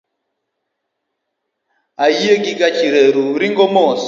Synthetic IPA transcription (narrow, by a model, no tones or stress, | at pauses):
aiekikat͡ʃiɾeɾuɾiŋɡɔmoːs